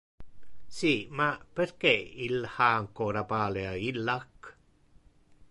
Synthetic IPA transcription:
simaperkeilhaːŋkɔːɾapaːleailːak

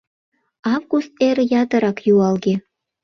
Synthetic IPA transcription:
ɑvɣust̪̚eɾjɑt̪ɤ̆ɾɑkjuɑlɣe

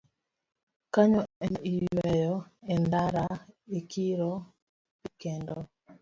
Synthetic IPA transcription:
kaɲɔɛniwɛjɔɛndaɾaekiɾɔ | pikɛndɔ

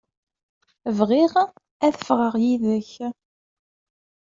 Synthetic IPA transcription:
vʁiʁ | æθə̥fʁəʁjiðəç

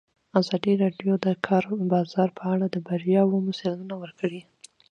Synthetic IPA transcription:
azɑd̪iɾɑɖjod̪əkʰɑɾbɑzɑɾpʰəaɽad̪əbaɾjɑwomʊselunawəɾkʰəɽi

